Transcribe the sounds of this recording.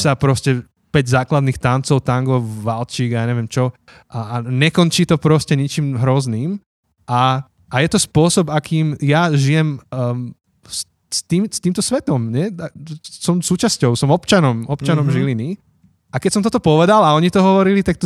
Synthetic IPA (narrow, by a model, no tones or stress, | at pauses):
sapɾɔscɛ | pɛɟzaːklad̪nixt̪ant͡sɔʊt̪aŋɡɔʊʋalt͡ʃiːɡjaːɲɛʋɪɛmt͡ʃɔ | ʔaaɲɛkɔnt͡ʃiːt̪ɔpɾɔscɛɲɛt͡ʃiːmɦɾɔzniːm | ʔa | ʔajɛt̪ɔspʊɔsɔbakʰiːmjaʒijɛm | s | st̪iːmst̪iːmt̪ɔsʋɛt̪ɔmɲɛasɔmsuːt͡ʃascɔʊsɔmɔpt͡ʃanɔmɔpt͡ʃanɔmʒilini | akɛcsɔmt̪ɔt̪ɔpɔʋɛd̪alaɔɲit̪ɔɦɔʋɔɾilit̪ak̚t̪ɔ